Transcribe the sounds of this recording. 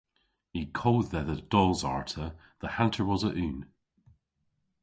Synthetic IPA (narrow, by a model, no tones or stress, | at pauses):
ikʰoːd̪ðəðəd̥ɔlˠzaɹtʰə | ðəhãntʰə˞wɔzəʔʉːn